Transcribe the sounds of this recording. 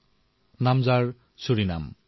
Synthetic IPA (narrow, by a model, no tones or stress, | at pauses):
namd͡zaɹ | suɾina̰m